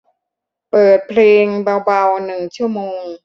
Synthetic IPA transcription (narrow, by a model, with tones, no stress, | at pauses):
pɤː˨˩t̪̚pʰleː˧ŋba˧wba˧wnɯ˨˩ŋt͡ɕʰu˥˩ɐəmoː˧ŋ